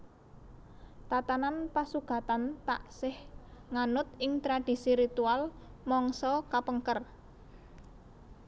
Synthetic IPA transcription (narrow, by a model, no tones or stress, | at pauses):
t̪at̪ananpasuɡ̥a̤t̪ant̪a̰ʔsɪhŋanʊt̪ɪŋt̪ɾad̥i̤siɾit̪ual | mɔŋsɔkapəŋkər